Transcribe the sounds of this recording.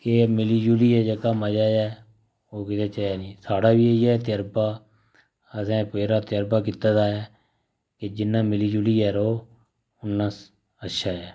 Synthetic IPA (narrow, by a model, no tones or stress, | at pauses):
kemɪliːd͡ʒuːliːɛːd͡ʒəkaːməd͡ʒaːjɛː | oːkɪt̪eːt͡ʃəaːnĩːsaːɽaːʋiːeɛːt̪ɪjəɾbaː | əsɛ̃ːpeːɾaːt̪ɪjəɾbaːk̬iːt̪aːd̪aːɛː | ked͡ʒɪnːãːmɪliːd͡ʒuːliːɛːɾoː | ʊnːãːs | ətːʃʰaːɛː